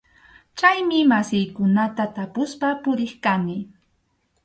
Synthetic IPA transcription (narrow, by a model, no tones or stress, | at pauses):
t͡ʃajmɪmasɪjkʊnat̪at̪apʊspapʊɾɪχkanɪ